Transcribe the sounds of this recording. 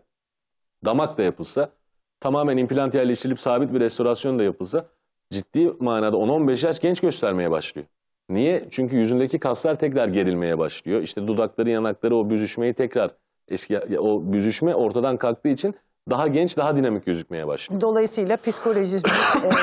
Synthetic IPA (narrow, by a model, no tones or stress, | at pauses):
d̪amak̚t̪ajapʰɯlˠsa | t̪ʰamaːmænimplʲant̪jæɾlʲɛʃt̪ʰilʲipsaːbit̪̚biɾɛst̪ʰo̞ɾasjo̞nd̪ajapʰɯlˠsa | d͡ʒit̪ːiːmaːnaːd̪ao̞no̞nbɛʃjat͡ʃɟɛnt͡ʃɟø̞st̪ʰæɾme̞jɛba̰ʃlˠɯjo | nijɛt͡ʃʰyɲcyjyzynd̪ecʰikʰaslˠaɾt̪ʰɛcɾaɾɟe̞ɾilʲme̞jɛba̰ʃlˠɯjo̞iʃt̪ʰɛd̪ud̪aklˠaɾɯjanaklˠaɾɯo̞byzyʃme̞jit̪ʰɛcɾaɾ | ɛsco̞byzyʃmɛʔo̞ɾt̪ʰad̪ankʰalˠk̚t̪ʰɯːit͡ʃʰin | d̪aɦaɟɛnt͡ʃd̪aɦad̪inamic̚ɟøzyc̚me̞jɛba̰ʃlˠd̪o̞lˠajɯsɯjlˠapʰisko̞lʲoʒizi